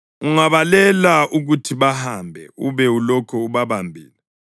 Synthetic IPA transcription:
uŋaβalɛlaʔuɣutʰiβahambʱɛ̰uβɛulɔkʰɔuβaβambʱiːlɛ

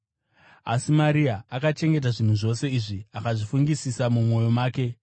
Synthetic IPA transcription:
a̰simaɾiaakat͡ʃe̞ŋɡe̞t̬aʐin̤uʐo̞se̞iʐiakaʐifuŋɡisisamumo̞jo̞maːke̞

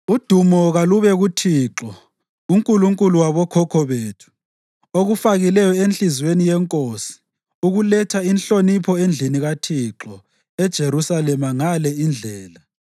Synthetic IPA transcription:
ud̥ʱumɔɣaluβɛɣutʰiǁɔ | uŋkʼuluŋkʼuluwaβɔkʰɔkʰɔβeːtʰu̥ | oɣufaɣilɛjɔenɬizwenijɛŋkʼosi̥ | uɣulɛtʰainɬonipʰɔend͡ɮʱiniɣatʰiǁɔ | ɛd̥ʒ̥ʱeɾusalɛmaŋalɛind͡ɮʱɛːla

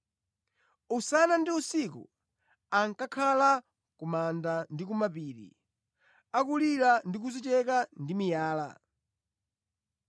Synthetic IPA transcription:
usanandiusikṵ | aŋkakʰala | kumandandikumapiːɾḭ | akuliɾandik̬uzit͡ʃɛkandimijaːla̰

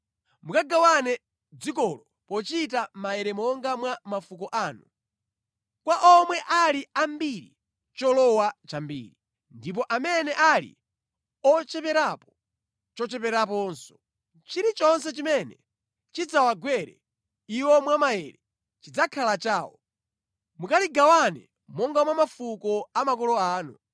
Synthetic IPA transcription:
mukaɡawanɛ | d͡zikɔlɔ | pɔt͡ʃitamajɛɾɛmɔŋɡamwamafukɔʔaːnu | kwaʔɔmwɛʔaliambiɾḭ | t͡ʃɔlɔwat͡ʃambḭːɾi | ndip̬ɔʔamɛnɛʔalḭ | ɔt͡ʃɛpɛɾapɔ̥ | t͡ʃɔt͡ʃɛpɛɾap̬ɔːnsɔ̥ | t͡ʃiɾit͡ʃɔnsɛt͡ʃimɛnɛ | t͡ʃid͡zawaɡwɛɾɛ̰ | iwɔmwamajɛɾɛ | t͡ʃid͡zakʰalat͡ʃaːwɔ̰ | mukaliɡawanɛ̰ | mɔŋɡamwamafukɔamakɔlɔaːnu

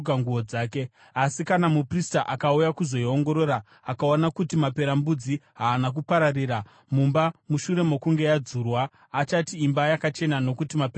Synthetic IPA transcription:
kaŋɡuoaːke̞ | asikanamupristaʔakaujakuzo̞ioŋɡo̞ɾo̞ɾaː | kaonakutimape̞ɾambud͡ziɦaːnak̬upaɾariːɾa | mumbamuʃure̞mo̞kuŋɡe̞jad͡zurwaː | t͡ʃatiːmbajakat͡ʃe̞nano̞kutimape

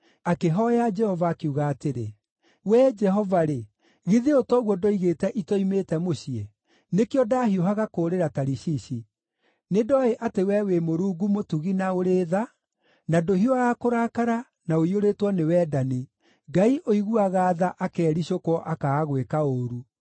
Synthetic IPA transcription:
akeɦɔjad͡ʒɛhɔvaːkeuɣaːteɾe | wɛd͡ʒɛɦɔvaɾe | ɣiðeotɔɣwɔdoiɣetɛʔitɔimeːtɛmoɕiɛ | nekeɔdahioɦaɣakoɾeɾataɾiɕiɕi | nedɔaeʔatewɛwemoɾuːɡumotuɣinaoɾeða | nadoɦiɔaakoɾakaɾa | naoioɾetwɔnewɛːdani | ɡaiʔoiɣuaɣaːðaʔakɛːɾiɕokwɔʔakaːɣwekaoːɾu

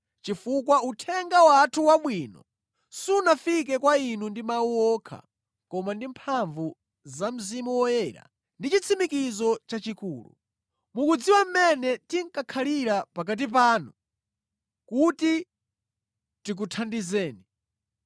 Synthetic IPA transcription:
t͡ʃifukwautʰɛŋɡawatʰuwaɓwiːnɔ̰ | suunafik̬ɛkwainundimawuɔkʰa̰ | kɔmandimpʰaɱvu | zam̩zimuwɔjɛːɾa̰ | ndit͡ʃit͡sʰimikizɔt͡ʃat͡ʃikuːlṵ | mukud͡ziwam̩mɛnɛtiŋ̩kakʰaliɾapak̬at̬ip̬aːnu | kuti | tik̬utʰandizɛːni

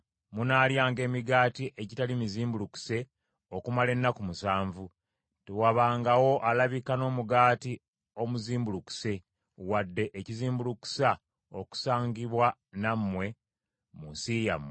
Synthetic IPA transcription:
munaːljaːŋɡe̞ːmiɡaːtiʔe̞ɟitalimiziːmbuluku̥se̞ | okumale̞nːakumusaːɱvu | tewaβaːŋɡawo̞ʔalaβikano̞ːmuɡaːti | o̞muziːmbuluku̥se̞ | wadːe̞ʔeciziːmbuluku̥sa | o̞̰ku̥saːɲɡiβwanamːwe̞ | musija̰mwe

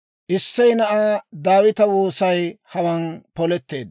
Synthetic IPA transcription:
ʔɪsːɛjnɐʔaːd̪aːwɪt̪ɐwoːsɐjhɐwɐnpɔlɛt̪ːe̞ːd̪

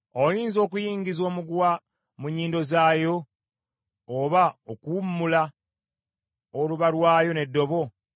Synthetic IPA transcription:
ojiːnzo̞ːkujiːɲɟizo̞ːmuɡwa | muɲːiːndo̞zaːjo̞ | βaokuumːula | oluβalwaːjo̞ne̞dːo̞βo̞

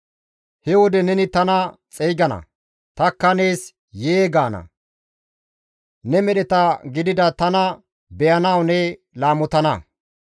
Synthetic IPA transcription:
hɛwɔd̪ɛnɛnɪt̪ɐnɐt͡sʼejɡɐnɐ̰ | t̪ɐkːɐne̞ːs | jeːɡaːnɐ̰ | nɛmɛɗɛt̪ɐɡɪd̪ɪd̪ɐt̪ɐnɐ | bɛjɐnɐwnɛ | laːmɔt̪ɐnɐ

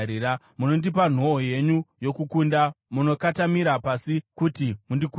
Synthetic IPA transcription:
ɾiɾa | muno̞ndipan̤o̞ːje̞ɲujo̞kukundamuno̞katamiɾapasikutimundiku

